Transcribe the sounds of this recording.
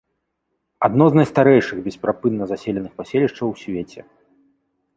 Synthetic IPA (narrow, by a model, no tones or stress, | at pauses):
ad̪nɔznɐjst̪aɾɛjʂɨɣbʲɛspɾapɨnːɐzasʲelʲɛnɨxpasʲelʲiʂt͡ʂɐwsʲvʲet͡sʲɛ